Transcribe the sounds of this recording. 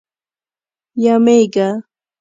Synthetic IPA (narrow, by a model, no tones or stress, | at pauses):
jamajɢɑ